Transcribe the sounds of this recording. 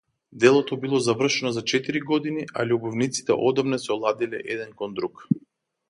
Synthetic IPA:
d̪ɛlˠɔt̪ɔbilˠɔzavr̩ʃɛnɔzat͡ʃɛt̪iɾiɡɔd̪iniʔa̰ʎʲubɔvnit̪si̥t̪ɛ̰ʔɔd̪amnɛsɛɔlˠad̪ilɛ̰ʔɛd̪ɛnkɔnd̪ɾuk

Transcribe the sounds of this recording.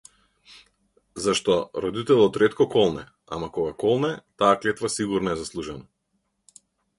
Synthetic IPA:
zaʃt̪ɔɾɔd̪it̪ɛlˠɔt̪ɾɛt̪kɔkɔlˠnɛ | a̰makɔɡakɔlˠnɛt̪aːklɛt̪vasiɡuɾnɔɛzaslˠuʒɛna

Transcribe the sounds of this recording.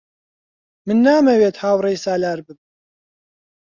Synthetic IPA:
mɨnːaːmɐweːt̪haːwrejsaːlaːɾbɨb̚

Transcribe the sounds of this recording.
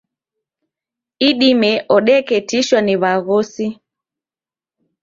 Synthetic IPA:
iɗimɛʔɔɗɛkɛtiʃwaniβaɣɔsi

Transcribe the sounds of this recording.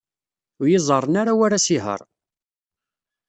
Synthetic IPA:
ʊjizˤərˤːənaɾawaɾasiɦə̰ɾˤ

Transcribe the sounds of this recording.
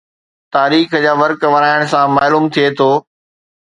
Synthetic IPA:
t̪aːɾiːxd͡ʑaːʋɐɾkʋɐɾaːɪɽ̃sãmaːluːmt̪ʰiet̪ʰoː

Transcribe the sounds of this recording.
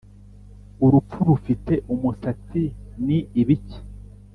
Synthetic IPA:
uɾup͡fuɾufite̞ʔumusat͡siniːβici̥

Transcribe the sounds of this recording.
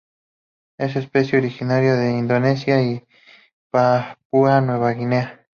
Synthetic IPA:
es̬espesjeoɾixinaɾjoðeind̪onesjai | papuanweβaɣinea

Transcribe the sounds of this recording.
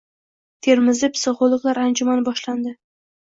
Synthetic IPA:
t̪ʰe̞ɾmɪzɪpsɪʁolˠɨqlˠaɾand͡ʒʊmanɪbɒʃland̪ɪ

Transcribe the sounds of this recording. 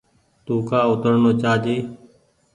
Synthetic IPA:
t̪uːkaːʊt̪əɾnoːt͡ʃaːd͡ʒ̪iː

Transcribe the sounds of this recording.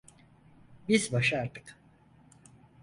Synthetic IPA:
bizbaʃaaɾt̪ʰɯ̥k

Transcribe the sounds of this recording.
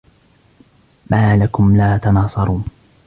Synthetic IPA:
maːlakʊmlaːt̪ɑnɑːsˤɑɾˤuːn

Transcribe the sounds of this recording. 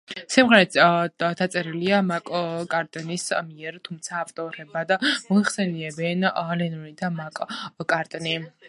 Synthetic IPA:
simʁɛɾɛt̪d̪at̪sʼɛɾiliamakʼkʼaɾt̪ʼnismiɛɾt̪ʰumt̪sʰaːft̪ʼɔɾɛbad̪mɔiχsɛniɛbɛnlɛnuɾid̪amakʼkʼaɾt̪ʼni

